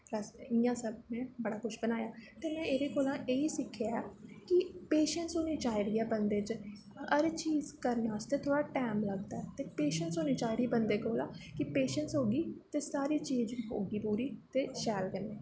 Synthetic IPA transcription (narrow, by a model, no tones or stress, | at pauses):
pləsɪjãːsəbmɛ̃ːbəɽaːkʊʃʰbənaːjaːt̪eːmɛ̃ːeːɾeːkoːlãːʔeːiːsɪkʰjaɛːkɪpeːʃənʈsoːniːt͡ʃaːɪɾiːɛːbənd̪eːt͡ʃ | əɾt͡ʃiːzkəɾnaːəst̪eːt̪ʰoːɽaːʈɛːmləɡd̪aːɛːt̪eːpeːʃənʈsoːniːt͡ʃaːɪɾiːbənd̪eːkoːlãːkɪpeːʃənsɦoːɡiːt̪eːsaːɾiːt͡ʃiːzɦo̰ːɡiːpuːɾiːt̪eːʃɛːlkəneː